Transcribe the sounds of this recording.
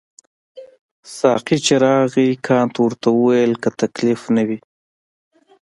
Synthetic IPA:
sɑ̰qit͡ʃeɾɑɣikʰɑnt̪wəɾt̪awəwajəlkat̪aklɪfnawi

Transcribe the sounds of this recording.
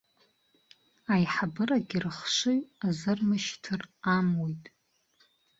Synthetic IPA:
ajħabɨraɡʲirɨχʃʷɨɥazɨrmɨʃtʰɨramojtʼ

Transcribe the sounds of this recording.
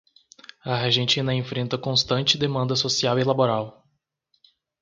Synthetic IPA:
ɐɦaʒẽnt͡ʃĩnɐẽfɾẽnt̪ɐkõst̪ɐ̃nt͡ʃɪd̪emɐ̃nd̪ɐsosiawilaboɾaw

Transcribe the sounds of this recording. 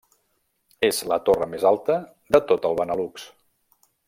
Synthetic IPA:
ezlət̪orəmezalˠt̪ə | d̪ət̪ot̪əlˠβənəluks

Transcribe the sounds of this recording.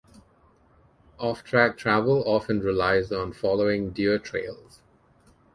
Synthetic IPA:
ɔftʰɹæk̚tʰɹævəlɔfə̃nɹɪlaɪzɔ̃nfɔloɪ̃ŋdiətʰɹḛɪlˠz̥

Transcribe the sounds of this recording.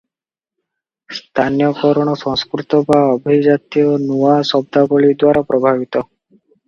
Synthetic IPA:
st̪ʰanijɔkɔɾɔɽ̃ɔsɔ̃ŋskɾut̪ɔbaɔbid͡ʒat̪iɔnuasɔb̚d̪ʱabɔɭid̪waɾapɾʔɔbʱaβit̪ɔ

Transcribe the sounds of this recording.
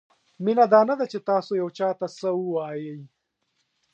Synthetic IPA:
minad̪ɑːnɐd̪at͡ʃet̪ɑːsojaɐwt͡ʃɑːt̪asəuwaːjəj

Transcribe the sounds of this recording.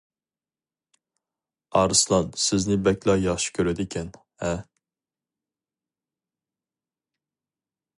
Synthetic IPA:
ɑɾɨslˠɑnsɪznɪbɛkʲlˠɑjɑχʃi̥kʲʰøɾɛd̪ɪkʲʰɛn | ɛ

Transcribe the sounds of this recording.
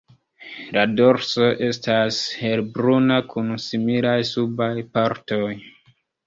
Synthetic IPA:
lado̞ɾso̞ʔe̞stashe̞lbɾunakʰunsimilajsubajpaɾto̞j

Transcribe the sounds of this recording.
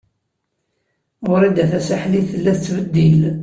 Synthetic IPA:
ʊɾid̪æθæsaħliθəlːæθət͡sːvəd̪ːil

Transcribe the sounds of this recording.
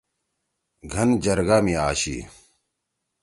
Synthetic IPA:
ɡʱɐnd͡ʑɐɾɡaːmiaːɕḭː

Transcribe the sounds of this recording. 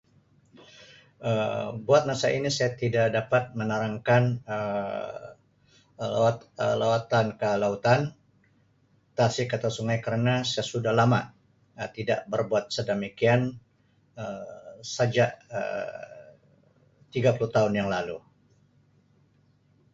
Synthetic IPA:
əbuat̪̚masaʔinisajat̪idaʔdapat̪̚mənaɾaŋkanə | l̰əlawat̪ankəlaut̪an | t̪asikat̪asuŋajkəɾənasajasudahlama̰ | ət̪ida̰ʔbərbuat̪̚sədəmikian | əsad͡ʒaʔə̰ | t̪iɡapuluht̪aʊnjaŋlalu

